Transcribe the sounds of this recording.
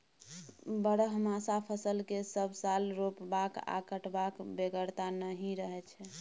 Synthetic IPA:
bəɽəɦmasapʰəsəlkesəbsalɾopbaka̰kəʈbakbeɡəɾt̪anəɦĩɾəɦɛt͡ʃʰɛ

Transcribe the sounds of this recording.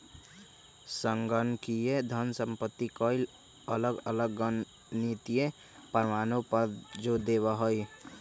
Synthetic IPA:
səŋɡənkied̪ʱənsə̃mpət̪ːikɔːɪl | ələɡələɡənː | it̪ije | pəɾmaːnõpəɾd͡ʒod̪eːʋaɦoi

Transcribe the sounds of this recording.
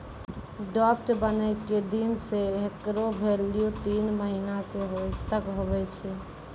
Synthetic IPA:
ɖɔːp̚ʈbənəɪked̪inseɦekɾobʱeːlijut̪iːnməɦiːnakeɦot̪əkɦobɛt͡ʃʰɛ

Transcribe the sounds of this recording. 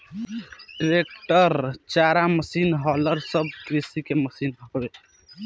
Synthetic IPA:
ɖɾek̚ʈəɾt͡ʃaɾaməsinɦɔləɾsəb̚kɾisikeməsinɦɔbe

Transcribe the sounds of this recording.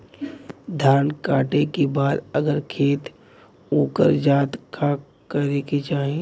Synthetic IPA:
d̪ʱjaːnkaːʈekebaːd̪əɡəɾkʰeːt̪ | oːkə̰ɾd͡ʒaːt̪ka | kəɾeket͡ʃaːɦe

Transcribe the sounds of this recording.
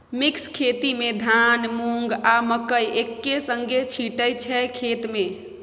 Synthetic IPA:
mikskʰet̪imed̪ʱanmuŋɡaməkəjʔekːesəŋɡʱet͡ʃʰiʈəjt͡ʃʰɛkʰet̪me

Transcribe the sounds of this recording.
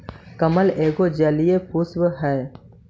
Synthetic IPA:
kəməleːɡod͡ʒəlijepʰuːsbɦɛː

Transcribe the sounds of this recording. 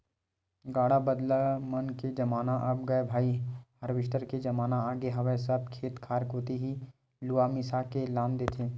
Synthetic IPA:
ɡaːɽabəd̪lamɐnked͡ʒɐmaːnaʔɐb̚ɡɐebʱaːihɐɾʋɪʃʈ̪əɾked͡ʒɐmaːnaaːɡeɦɐʋəsɐb̚kʰeːt̪kʰaːɾkoːt̪eɦi | luamisakelaːmd̪eːt̪ʰeː

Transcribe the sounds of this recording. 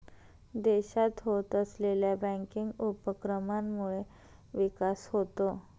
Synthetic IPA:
d̪eɕat̪ɦot̪əsleljabə̃ŋkiŋɡupəkɾəmamːuɭe | ʋikasɦot̪o

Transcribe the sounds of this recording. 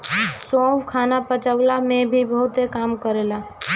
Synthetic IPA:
sobkʰanapət͡ʃəwlamebʱibəɦut̪ekamkəɾela

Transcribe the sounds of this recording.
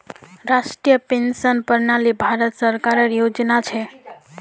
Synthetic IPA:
ɾaʃʈɾijəpensənpəɾnalibʱaɾət̪səɾkaɾəɾjod͡ʒnat͡ʃʰe

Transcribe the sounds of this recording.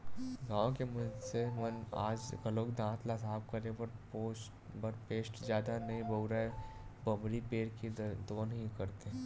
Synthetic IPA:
ɡãːõkemɐnsemɐnaːd͡ʒɡəloːkd̪ãːt̪laːsaːb̚kəɾẽbəɾpo | bəɾpeːsʈzjaːd̪anɐɦĩbəɾaebɐbɾipeːɾkid̪oːnɦĩkɐɾt̪eɦɛ̃

